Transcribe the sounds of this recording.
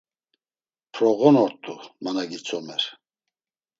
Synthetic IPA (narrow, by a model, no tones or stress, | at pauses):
pʰɾɔɣɔnɔɾt̪ʼumanaɡit͡sʰɔmɛɾ